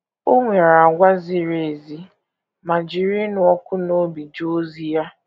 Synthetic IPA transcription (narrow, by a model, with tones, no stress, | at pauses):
o˦ŋʷe˨ɾa˨a˨ɡʷa˦zi˦ɾe˨zi˦ | ma˨d͡ʒi˨ɾi˦nʊ˨˦ɔ˦kʷʊ˦no˦bi˨d͡ʒo˦zi˦ja˦